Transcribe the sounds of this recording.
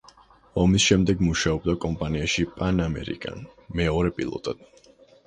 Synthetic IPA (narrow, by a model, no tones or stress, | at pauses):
ɔmisʃɛmd̪ɛɡmuʃaɔb̚d̪akʼɔmpʼaniaʃipʼanamɛ̰ɾḭkʼa̰nmɛɔɾɛpʼilˠɔ̰t̪ʼad̪̥